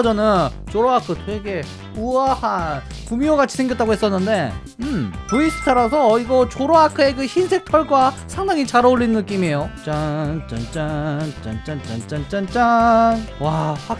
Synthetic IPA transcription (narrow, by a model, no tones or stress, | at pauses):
d͡ʑʌnɯn | t͡ɕoɾoakʰɯtʰwe̞ɡe̞ | uahan | kumioɡat͡ɕʰi̥sʰeŋɡjʌt͈aɡoɦe̞s͈ʌnːɯnde̞ | ɯmpuis͈ʰɯ̥tʰaɾasʰʌiɡʌt͡ɕoɾoakʰɯe̞kɯçinsʰe̞k̚tʰʌɭɡwa | sʰaŋdaŋit͡ɕaɾaoɭːinɯnɯk͈ime̞jot͡ɕant͡ɕant͡ɕ͈ant͡ɕant͡ɕ͈ant͡ɕant͡ɕ͈ant͡ɕant͡ɕ͈anwaha